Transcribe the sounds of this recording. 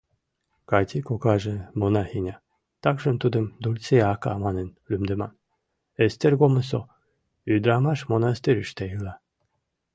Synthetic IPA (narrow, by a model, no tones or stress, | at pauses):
kɑt̪ʲikokɑʒĕmonɑhinʲɑ | t̪ɑkʒə̆nt̪ud̪əmd̪ulʲt͡seɑkɑ̰mɑnenlymd̪emɑn | est̪erɡoməs̬o | yd̪ɾɑmɑʃmonɑst̪eɾyʃt̪æjɯlɑ